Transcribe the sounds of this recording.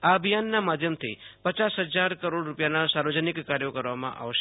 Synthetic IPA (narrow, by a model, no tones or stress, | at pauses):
aəbʱijanːamad̪ʱjəmt̪ʰipət͡ʃasɦəd͡ʒaɾkəɾoɽɾupjanasaɾʋəd͡ʒənɪkːaɾjokəɾʋamã̰ʔa̰ʋʃ